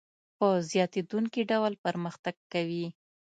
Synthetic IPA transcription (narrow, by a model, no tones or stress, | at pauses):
pəzjɑt̪ed̪uŋkiɖawlpəɾməxt̪aɡ̚kawi